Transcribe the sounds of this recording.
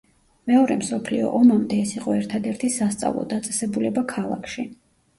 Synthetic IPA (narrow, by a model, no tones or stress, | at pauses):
mɛɔɾɛmsɔpʰliɔ̰ʔɔmamd̪ɛɛsiqʼɔɛɾt̪ʰad̪ɛɾt̪ʰisast̪sʼa̰vlˠɔ̰d̪at̪sʼɛsɛbulɛbakʰalˠa̰kʰʃi